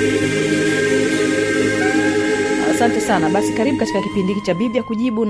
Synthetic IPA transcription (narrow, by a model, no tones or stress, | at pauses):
asantɛsanaɓasikaɾiɓukati̥kakipindikit͡ʃaɓivjakuʄiɓun